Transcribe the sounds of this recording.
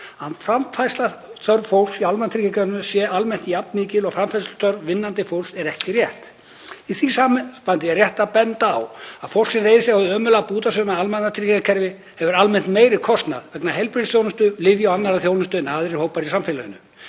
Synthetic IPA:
hanfɾamfajslat̪œɾvfowl̥ksialmɛnat̪ʰɾikakʰɛɾnʏsjɛalmɛn̥t̪japnmɪːcɪlɔɣfɾamfaslt̪œɾvvɪnːant̪ɪfowlsɛɾɛhcɪrjɛht̪ | iθvisaːmpant̪ɪjɛrjɛht̪apɛnt̪a̰ːwafowl̥ksɛnrejðɪsɛɣawðʏœːmʏlapuːt̪asʏnaalmanːat̪ʰɾiːcakʰɛɾvɪ | hɛvʏɾalmɛn̥t̪meːjɾɪðkʰɔst̪na̰ðvɛknaɦɛlpɾɪnsθjoːwnʏst̪ʏlɪvjawanːaɾaðθjoːwnɪst̪ʏnaːðɾɪɾhoːwpaɾisamfɪlaʏ̰nːʏ̰

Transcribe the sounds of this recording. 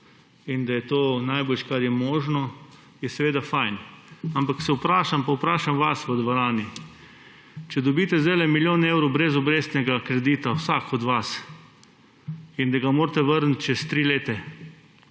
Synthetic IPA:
ind̪ajɛt̪oːnajboːlʃkaɾjɛmɔːʒnɔ | jɛsɛʋeːd̪afajnampaksɛwpɾaːʃampawpɾaːʃamʋasʋəd̪ʋoɾaːni | t͡ʃɛd̪ɔbiːt̪ɛzd̪ajlɛmiljoːnewɾowbɾɛzɔbɾeːst̪nɛɡakɾɛd̪iːt̪awsakɔd̪ʋas | ind̪aɡamoːɾt̪ɛʋəɾnt̪t͡ʃɛst̪ɾiːleːt̪ɛ

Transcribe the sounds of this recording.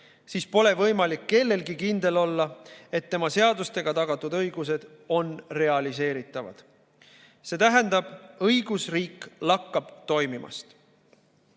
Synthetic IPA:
siːspo̞le̞vɤjmɑlikːe̞lːe̞lɡikind̪e̞lo̞lːɑe̞t̪ːe̞mɑse̞ɑd̪ust̪e̞ɡ̥ɑt̪ɑɡ̥ɑt̪ːˑud̪ɤjɡ̥use̞d̪̥o̞nre̞ɑlise̞ːɾit̪ːˑɑvɑ̰d̪̥ | se̞ːt̪æɦænd̪̥ɑb̥ɤjɡ̥usriːkːlɑkːɑb̥t̪o̞jmimʔɑ̰st̪

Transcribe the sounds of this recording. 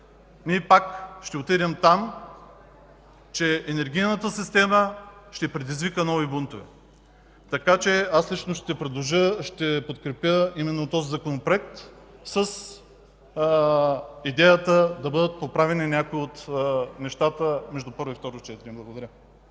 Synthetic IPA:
niɛpakʃt̪ɛot̪iɾʲɐmt̪am | t͡ʃɛːnɛɾɡ̟ʲijnət̪əsist̪ɛməʃt̪ɛpɾɛd̪izvikənɔvibunt̪ovɛ̰ | t̪ɐkat͡ʃɛaslit͡ʃnoʃt̪ɛpɾɛd̪lˠoʒəʃt̪ɛpot̪kɾɛpjəimɛnːot̪ɔzizɐkonopɾoɛk̚t̪ | səs | id̪ɛjət̪əd̪ɐbɤd̪ət̪̚popɾavɛninʲakoiot̪nɛʃt̪at̪əmɛʒd̪upɤɾvoift̪ɔɾot͡ʃɛt̪iɾʲiblˠɐɡod̪ɐɾʲə

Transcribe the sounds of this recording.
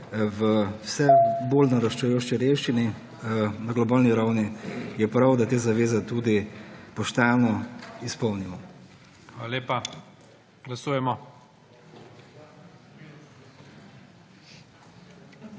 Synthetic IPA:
ʋəwsɛbolnaɾaʃt͡ʃɛjoːʃt͡ʃiɾewʃt͡ʃini | naɡlɔbaːlniɾawnijɛpɾawd̪at̪eːzaʋeːzɛt̪uːd̪ipɔʃt̪anɔispɔwnimɔ | ʋaaleːpa | ɡlasuːjɛmɔ

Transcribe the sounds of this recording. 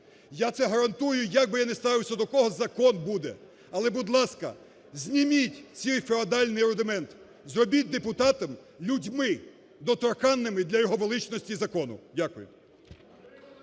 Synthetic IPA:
jat̪sɛɦɐɾɐnt̪ujʊjɐɡ̚bɪjanest̪ɑʋɪwsʲɐd̪ɔkɔɦɔzɐkɔnbud̪ɛ | ɐlˠɛbʊd̪lˠɑskɐ̰ | zʲnʲimʲitʲt͡sʲijfʲɔɐd̪ɑlʲnɪjɾʊd̪ɪmɛnt̪ | zrɔbʲit̚ʲd̪epʊt̪ɑt̪ɐm | lʲudʲmɪ | d̪ɔt̪ɾɔkɑnːɪmɪd̪lʲɐjɔɦɔʋelˠɪt͡ʃnɔsʲtʲizɐkɔnʊ̰dʲakʊjḛ

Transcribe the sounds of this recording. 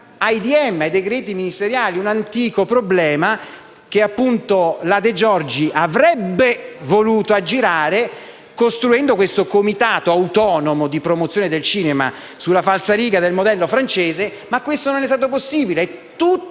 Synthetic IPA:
ajd̪iɛmːed̪ekɾɛːt̪iminist̪eɾjaːliunant̪iːkopɾoblɛːma | k̟eapːunt̪olad̪ed͡ʒɔrd͡ʒiʔavɾɛbːevoluːt̪oad͡ʒːiɾaːɾe | kost̪ɾuɛnd̪okwest̪okomit̪aːt̪oawt̪ɔːnomod̪ipɾomot̪sjoːned̪elt͡ʃiːnema̰ | sulːafalsaliːɡad̪elmod̪ɛlːofɾant͡ʃeːze | makːwest̪ononɛs̬t̪aːt̪op̬osːiːbileɛt̪ːu

